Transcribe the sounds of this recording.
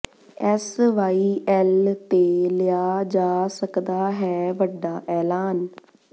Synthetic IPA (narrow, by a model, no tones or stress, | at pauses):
ɛsʋaːiːʔɛːlt̪eːlɪjaːd͡ʒaːsəkd̪aːɦɛːʋəɖːaːʔɛːlaːn